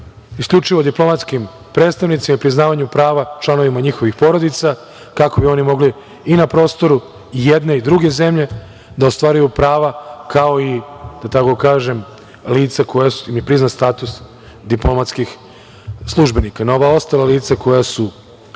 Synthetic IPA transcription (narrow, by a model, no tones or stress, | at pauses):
isklʎut͡ʂiʋo̞d̪iplˠo̞mat̪skim | pɾe̞ːt̪st̪aʋnit̪simaipɾiznaːʋaɲupɾaːʋat͡ʃlˠano̞ʋimaɲixo̞ʋixpo̞ɾo̞d̪it̪sa | kako̞bio̞nimo̞ɡliː | napɾo̞ːst̪o̞ɾu | jed̪ne̞id̪ɾuɡe̞ze̞mʎe̞ | d̪aost̪ʋaːɾujupɾaːʋakao̞id̪̥at̪ako̞kaːʒe̞m | liːt̪sako̞jasimjepɾiznast̪aːt̪us | d̪iplo̞mat̪skix | slˠuʒbe̞nikanao̞ʋao̞st̪alaliːt̪sako̞jasu